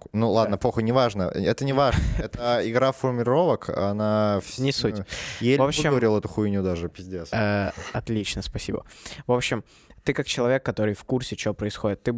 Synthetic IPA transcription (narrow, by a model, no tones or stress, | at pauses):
nulˠad̪nəpoxənʲɪvaʐnə̰ɛt̪ənʲɪvaʐəɛt̪əɪɡɾafərmʲɪɾo̞vəkɐ̰nafnʲɪsutʲjevopɕːɪoɾʲɪlˠɛt̪ʊxujnʲʊd̪aʐɨpʲɪzʲdʲesaɐt̪lʲit͡ɕnəspɐsʲibə̰vo̞pɕːɪm | t̪ɨkak̚t͡ɕɪlˠɐvʲekːɐt̪o̞ɾɨjfkursʲɪt͡ɕɪopɾəɪsxo̞dʲɪt̪ːɨ